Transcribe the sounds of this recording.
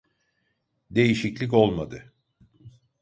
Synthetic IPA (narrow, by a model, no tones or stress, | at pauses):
d̪e̞jiʃiclʲic̬o̞lˠmad̪ɯ